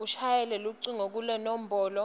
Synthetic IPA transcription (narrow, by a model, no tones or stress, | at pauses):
uʃʰajɛlɛluǀiŋok̬ulɛnɔm̩bʱɔːlɔ